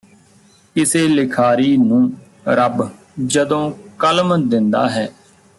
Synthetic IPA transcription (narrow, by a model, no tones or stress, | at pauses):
kɪseːlɪkʰaːɾiːnũː | ɾəb | d͡ʒəd̪õːkəlmd̪ɪnd̪a̰ːɦɛː